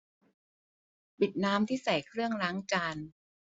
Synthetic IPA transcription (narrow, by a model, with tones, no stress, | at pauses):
pi˨˩t̪̚naː˦˥mt̪ʰiː˥˩sa˨˩jkʰɾɯ˥˩əŋlaː˦˥ŋt͡ɕaː˧n